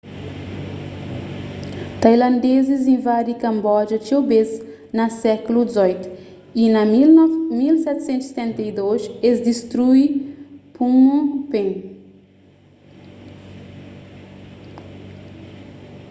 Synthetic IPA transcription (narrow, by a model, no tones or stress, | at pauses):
t̪ajlɐ̃nd̪ezizẽj̃vaɾikɐ̃mbɔd͡ʒɐt͡ʃiobez | nɐsɛkulud̪izɔjt̪ʊ̥ | inɐ | milsɛt̪sẽnt̪se̥t̪ẽnt̪ɐjd̪oʃezd̪ist̪ɾujpũõpẽn